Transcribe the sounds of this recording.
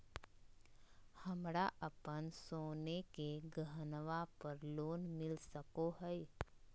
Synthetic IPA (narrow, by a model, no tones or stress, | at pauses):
hɐmɾaʔəpənsoːnekeɡəɦnʋapəɾloːnmɪlsəkoɦɛe